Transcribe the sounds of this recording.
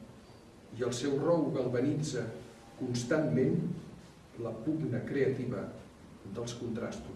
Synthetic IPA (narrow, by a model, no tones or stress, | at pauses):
iəlˠsɛwrɔwɣəlˠβənid͡zə | kunst̪anmen | ləpuɣnəkɾeət̪iβə | d̪əlˠskunt̪ɾast̪u